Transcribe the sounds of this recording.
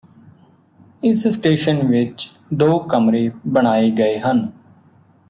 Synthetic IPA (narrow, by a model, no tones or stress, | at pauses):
ɪssʈeːʃənʋɪt͡ʃ | d̪oːkəmɾeːbəɽ̃aːiːɡəeːɦən